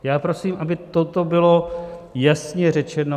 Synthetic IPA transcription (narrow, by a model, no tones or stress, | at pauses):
jaːpɾo̞siːmʔabɪt̪ot̪o̞bɪlo̞jasɲɛrɛt͡ʃɛno